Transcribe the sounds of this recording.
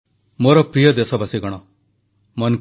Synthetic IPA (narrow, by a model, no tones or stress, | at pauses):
moɾɔpɾijɔd̪esɔbasiɡɔɽ̃ɔ | mɔn